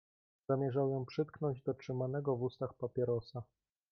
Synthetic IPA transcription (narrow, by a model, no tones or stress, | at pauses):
zamʲjɛʐawjɔ̃pʂɘt̪̚knɔɲd͡ʑd̪ɔtʂɘmanɛɡɔvust̪axpapʲjɛɾɔsa